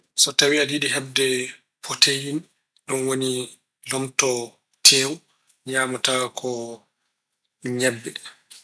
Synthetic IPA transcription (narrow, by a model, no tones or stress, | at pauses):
sɔtawiadiɗiɦɛb̚dɛ | pʰotejin | ɗɔnwoni | lɔmtɔ | tʰɛːw | ɲaːmɔtaːkʰɔ | ɲɛbːɛ